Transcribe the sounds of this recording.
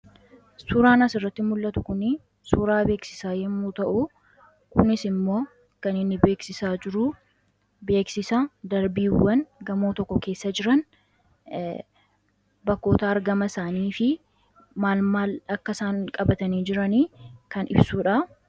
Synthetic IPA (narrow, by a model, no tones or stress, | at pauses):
suːɾaːnɐsɪrːɐt̪ːɪmʊlːɐt̪ʊkʊnɪ | suːɾaːbe̞ːksɪ̥saːjɛmːuːt̪ɐʔu | kʊnɪsɪmːo̞ː | kɐnɪnːɪbe̞ːksɪsaːd͡ʒɪɾʊ | be̞ːksɪsɐd̪ɐɾbiːwːɐnɡɐmoːt̪ɔkːɔke̞ːsːɐd͡ʒɪɾɐn | bɐkːo̞ːt̪aːɾɡɐmɐsaːniːfɪ | maːlmaːlɐkːɐsaːŋkʼɐbɐt̪ɐniːd͡ʒɪɾɐniːkɐnɪ̰bsuːᶑɐ